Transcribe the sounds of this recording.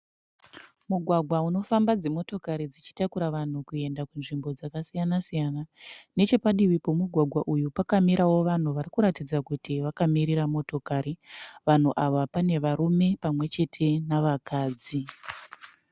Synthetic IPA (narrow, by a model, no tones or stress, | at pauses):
muɡʱwaɡʱwauno̞fambad͡ze̞mo̞to̞kaɾid͡zit͡ʃi̥takuɾaʋan̤ukue̞ndakunʐimbo̞d͡zakasijanasijanane̞t͡ʃe̞paɗiwipo̞muɡʱwaɡʱwaʔujupakamiɾʔawo̞ʋan̤uʋaɾikuɾatid͡zakutiʋakamiɾiɾamo̞to̞kaɾiʋan̤uʔaʋapane̞ʋaɾume̞pamwe̞t͡ʃe̞tʰe̞naʋakaːd͡zi